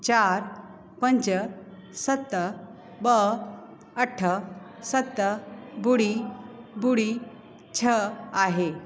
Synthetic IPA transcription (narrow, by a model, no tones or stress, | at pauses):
t͡ɕaɾ | pəɲt͡ɕə | sət̪ːə | bə | əʈʰːə | sət̪ːəbuɽibuɽi | t͡ɕʰəaɦe